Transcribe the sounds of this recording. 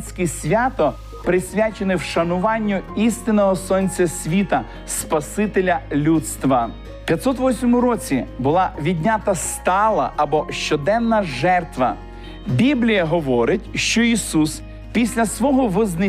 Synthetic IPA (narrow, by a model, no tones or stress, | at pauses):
sʲkɪsʲʋʲat̪ɔ | pɾɪsʲʋʲat͡ʃenɪwʃɐnʊʋɑnʲːʊist̪ɪnɔɦɔsɔnʲt͡sʲɐsʲʋʲit̪ɐ | spɐsɪt̪elʲɐlʲut̪st̪ʋɐ̥ | pʲjɐt̪sɔt̪ʋɔsʲmɔmʊɾɔt͡sʲibʊlˠɑʋʲid̪ʲnʲat̪ɐst̪ɑlˠɐ̰ʔɐbɔʃt͡ʃɔd̪ɛnːɐʒɛrt̪ʋɐ̰ | bʲiblʲijɐɦɔʋɔɾɪtʲʃt͡ʃɔisus | pʲisʲlʲɐsʋɔɦɔʋɪznɪ